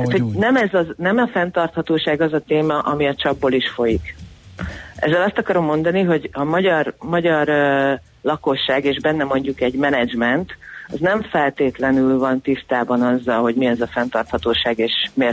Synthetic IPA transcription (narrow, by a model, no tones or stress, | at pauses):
aːt̪ho̞nɛmɛzɒznɛmɒfɛnt̪ɒrt̪hɒt̪oːʃaːɡɒzɒt̪eːmɒʔɒmiɒt͡ʃɒbːoliʃfo̞jik | ɛ̰zːɛlɒst̪ɒkɒɾo̞mːo̞nd̪ɒniɦo̞ɟɒmɒɟɒrmɒɟɒr | lɒko̞ʃːaːɡeːʒbɛnːɛmo̞ɲɟukɛɟmɛnɛd͡ʒmɛnt̪ɒznɛɱfɛlt̪eːt̪lɛnylvɒnt̪ist̪aːbɒnɒzːɒlɦo̞ɟmiɛzɒfɛnt̪ɒrt̪hɒt̪oːʃaːɡeːʃmeː